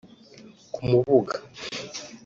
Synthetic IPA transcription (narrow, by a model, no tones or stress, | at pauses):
kumuβuɡḁ